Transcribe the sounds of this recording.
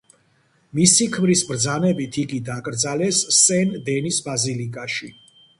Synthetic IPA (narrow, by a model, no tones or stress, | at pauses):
misikʰmɾisbɾd̪zanɛbit̪ʰiɡid̪akʼɾd̪zalɛsːɛnd̪ɛnisbazilikʼaʃi